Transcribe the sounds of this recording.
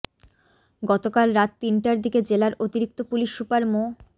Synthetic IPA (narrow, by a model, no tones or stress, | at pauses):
ɡɔt̪okalɾat̪ːinʈaɾd̪iked͡ʑelaɾʔot̪iɾik̚t̪opuliʃːupaɾmo